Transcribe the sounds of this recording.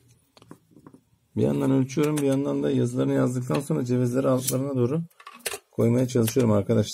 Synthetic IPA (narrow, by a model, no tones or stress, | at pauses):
bḭja̰nd̪anølʲt͡ʃʰyjo̞ɾumbijand̪and̪ajazɯlˠaɾɯnɯjazd̪ɯk̚t̪ʰanso̞nɾad͡ʒe̞vizlʲe̞ɾialˠt̪lˠaɾɯnad̪o̞ːɾukʰo̞jmajat͡ʃʰalˠɯʃɯjo̞ɾumaɾkʰad̪aʃlˠ